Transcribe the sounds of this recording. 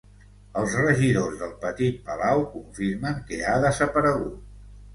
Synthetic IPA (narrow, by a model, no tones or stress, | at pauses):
əlˠzrəʒiðozðəlˠpət̪it̪̚pəlawkuɱfiɾməŋkəaðəzəpəɾəɣut̪̚